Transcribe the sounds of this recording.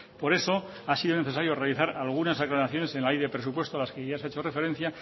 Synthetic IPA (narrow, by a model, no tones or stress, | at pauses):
po̞ɾe̞so̞ | asiðone̞θe̞saɾjo̞re̞aliθaɾalɣ̞unasaklanaθjo̞ne̞senlaejðepɾe̞s̬upwe̞st̪oalaskeʝaseaet͡ʃo̞re̞fe̞ɾe̞n̟θja